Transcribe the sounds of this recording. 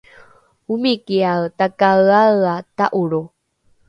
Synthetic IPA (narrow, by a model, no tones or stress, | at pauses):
umikiawtakaaɰataʔuɾu